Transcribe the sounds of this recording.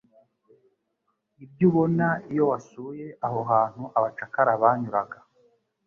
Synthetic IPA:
ib̚ɟuβo̞naijo̞wasuːje̞ʔaho̞ɦaːn̥huʔaβat͡ʃakaɾaβaːɲuɾaɡa

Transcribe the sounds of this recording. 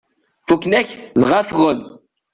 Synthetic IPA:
fuknæçðʁafʁən

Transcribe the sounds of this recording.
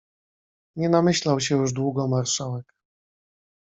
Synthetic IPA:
ɲɛnamɘɕlawɕ̬ɛjuʐd̪wuɡɔmaɾʂawɛk

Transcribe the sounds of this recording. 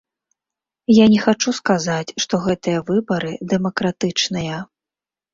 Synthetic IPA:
janʲɛxat͡ʂuskazat͡sʲʂt̪ɔɣɛt̪ɨjɐvɨbɐɾɨd̪ɛmɐkɾat̪ɨt͡ʂnɨjɐ

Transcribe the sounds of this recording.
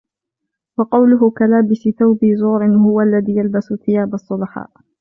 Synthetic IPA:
wɑqɑwlʊɦʊkalaːbɪsɪθawbɪzuːɾɪnhʊwaʔalːaðiːjalbasʊθɪjaːbɑsˤːʊlɑħɑ̰ːʔ

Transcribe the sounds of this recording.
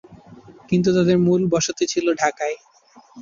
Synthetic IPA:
kint̪̬ut̪ad̪eɾmulbɔʃot̪et͡ɕʰiloɖʱakae

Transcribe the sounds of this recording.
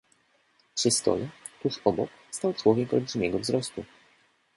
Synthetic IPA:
ʂɘst̪ɔ̰lɛt̪uʂɔbɔk | st̪awt̪swɔɡʲɛmkɔlʐɘmʲɛɡɔvzɾɔst̪u

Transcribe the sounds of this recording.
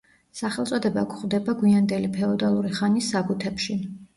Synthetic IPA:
saχɛlˠt̪sʼɔd̪ɛbakʰχwd̪ɛbaɡwiand̪ɛlipʰɛɔd̪alˠuɾiχanisːabut̪ʰɛpʃi

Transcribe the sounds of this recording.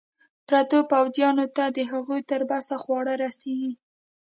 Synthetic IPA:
pɾat̪opawzjɑnot̪ad̪əɦaɣujt̪əɾbasaxwɑɽaɾaseɡi

